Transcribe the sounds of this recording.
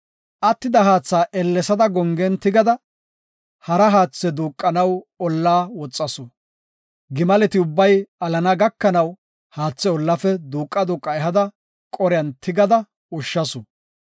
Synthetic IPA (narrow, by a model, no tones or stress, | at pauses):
ʔɐt̪ːɪd̪ɐɦaːt͡sːaːʔɛlːɛsɐd̪ɐɡɔŋɡɛnt̪ɪɡɐd̪ɐ | hɐɾɐɦaːt͡sːɛd̪uːkʼːɐnɐwɔlːaːwɔt͡sʼːɐsʊ | ɡɪmɐlɛt̪ɪʊbːɐjɐlɐnɐɡɐkːɐnɐw | haːt͡sːɛɔlːɐfɛd̪uːkʼːɐd̪uːkʼːɐɛɦɐd̪ɐ | kʼɔɾɪɐnt̪ʰɪɡɐd̪ɐ | ʊʃːɐsʊ